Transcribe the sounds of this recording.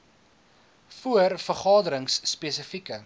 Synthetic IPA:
fuərfərχɑːdəɾəŋsːpeːsəfikə

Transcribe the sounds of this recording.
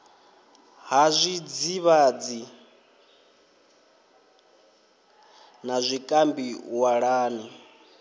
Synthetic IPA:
ɦazʷid͡ziβad͡zi | nazʷikʼambiwaɺaːni

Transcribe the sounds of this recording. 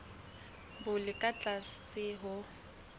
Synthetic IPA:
bʊlɪkʼat͡ɬʼasɪɦʊ

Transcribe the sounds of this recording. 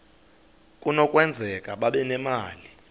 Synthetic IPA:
kʼunɔkʼwɛnd͡zʱɛkʼaɓaɓɛnɛmaːli

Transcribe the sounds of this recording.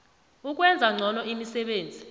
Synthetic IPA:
uk̬ʼwɛnd͡zʱaŋ͡ǀʱɔnɔimisɛɓeːnd͡zʱi

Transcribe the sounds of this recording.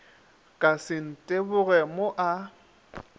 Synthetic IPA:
kʼasɪn̩tʼebʊɣɛmoʔa

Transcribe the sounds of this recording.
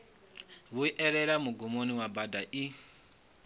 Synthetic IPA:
βuiʔɛɾɛɾamuɡumoniwabadaʔi

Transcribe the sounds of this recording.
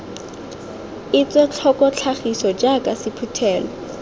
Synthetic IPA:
ɪt͡sʼɛt͡ɬʰɔkʼɔt͡ɬʰaχisɔd͡ʒakʼasɪpʰutʰɛːlɔ

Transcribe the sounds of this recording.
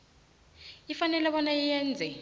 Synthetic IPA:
ifanɛlɛɓɔnajijɛːnd͡zʱɛ

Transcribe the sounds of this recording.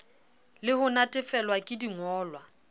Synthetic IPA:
lɪhʊnatʼɪfɛlwakʼɪdiŋɔːlwa

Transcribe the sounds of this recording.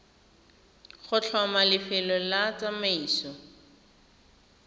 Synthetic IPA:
χʊt͡ɬʰɔmalɪfɪlɔlat͡samaiːsɔ

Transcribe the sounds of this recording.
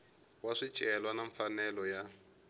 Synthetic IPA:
waʂit͡ʃʼɛlwanaɱfanɛlɔja

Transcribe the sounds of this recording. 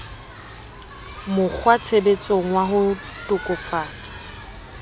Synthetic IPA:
mʊk͡xʰwat͡sʰebet͡sʼoŋ̩waɦʊtʼʊkʼʊfaːt͡sʼḁ

